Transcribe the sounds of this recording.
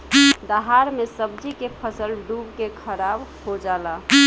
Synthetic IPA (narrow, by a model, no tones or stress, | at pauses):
d̪əɦaɾmesəbd͡ʒikepʰəsəlɖubkekʰəɾabɦod͡ʒala